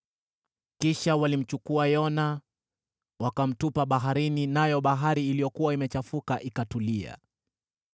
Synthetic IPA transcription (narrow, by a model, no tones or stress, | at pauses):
kiʃawalim̩t͡ʃukuajɔna | wakam̩tupaɓaɦaɾininajɔɓaɦaɾiːlijɔkuwaimɛt͡ʃafukaʔikatulia̰